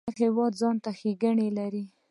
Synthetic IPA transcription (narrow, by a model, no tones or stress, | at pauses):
hɪwɑd̪zɑnt̪axeɡəɳelaɾi